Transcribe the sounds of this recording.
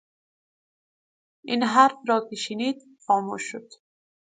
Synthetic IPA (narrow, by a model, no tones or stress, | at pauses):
inɦaɾfɾɒːkeʃiniːd̪ | xɒːmuʃːod̪̥